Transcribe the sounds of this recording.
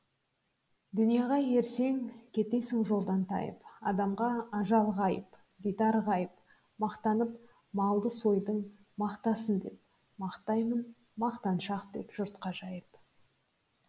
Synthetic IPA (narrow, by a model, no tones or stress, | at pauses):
d̪ʏnijɑʁɑje̞ɾse̞ŋkʲʰe̞t̪e̞sɪŋʒo̞lˠd̪ɑnt̪ʰɑ̰jə̰pɑd̪ɑmʁɑːʒɑlˠʁɑjəp | ɡ̪ʲit̪ɑɾʁɑjəp | mɑqt̪ɑnəp | mɑlˠd̪əso̞jd̪əɴ | mɑqt̪ɑsənd̪e̞̰p̚ | mɑqt̪ɑjmən | mɑqt̪ɑnʃɑqd̪e̞̰pʒ̥ʊɾt̪qɑʒɑjəp